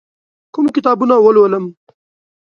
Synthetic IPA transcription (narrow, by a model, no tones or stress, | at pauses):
kʊmkɪt̪ɑːbunawəlwələm